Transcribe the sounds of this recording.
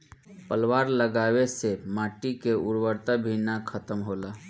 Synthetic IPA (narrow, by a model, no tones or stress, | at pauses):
pəlwaːɾləɡaːwesemaːʈikeʊɾwəɾt̪abʱinakʰət̪əmɦoːlaː